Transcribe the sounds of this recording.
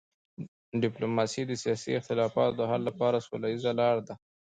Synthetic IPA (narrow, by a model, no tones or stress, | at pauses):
ɖɪplomɑsid̪əsijɑsḭɪxt̪ɪlɑfɑ̰t̪od̪əɦalːapɑɾasolajizalɑɽd̪a